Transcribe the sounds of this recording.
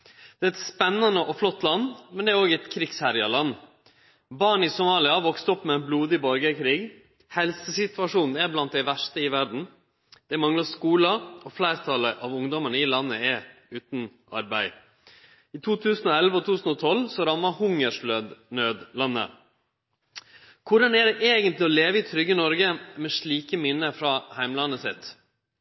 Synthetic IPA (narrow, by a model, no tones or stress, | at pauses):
d̪̥ɛæːɛt̪spɛnːɑnəʔɔflɔt̪ːlɑnːmɛnd̪ɛæɾoːɡəɛt̪kʰɾɪɡshæɾjɑlɑnː | bɑːɳɪsʊmɑːlɪɑʋɔkst̪ɔpːmɛɛnbluːd̪ɪbɔɾɡəkʰɾiːɡ | hɛlsəsɪt̪ʉʋɑʂuːnn̩æɾblɑnt̪̚d̪æɪʋæʂʈəɪʋæɖɳ̩ | d̪̥ɛmɑŋlɑskuːləɔflæɪɾt̪ʰɑləʔɑʋʊŋd̪ɔməɳəɪlɑnːəɛʉːt̪nʔɑ̰ɾbæɪ | it̪ʰuːt̪ʰʉːsn̩ɔɛlʋəɔt̪ʰʉːsn̩ɔt̪ʰɔlsɔɾɑmːɑhʊŋəʂløːd̪nøːd̪lɑnːə̰ | kʰʊɖɑnæɖɛʔeːɡənt̪lɪɔleːʋəɪt̪ʰɾʏɡːənɔɾɡəmɛʂɭiːkəmɪnːəfɾɑːhæɪmlɑnːəsɪ̰t̪